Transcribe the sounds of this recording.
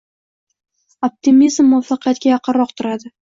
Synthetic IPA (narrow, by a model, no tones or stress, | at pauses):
op̚t̪ʰimizmːʊɒfɑqʰɨjat̪̚kʲajɑqʰɨɾɾɒqt̪ʰʊɾad̪ɪ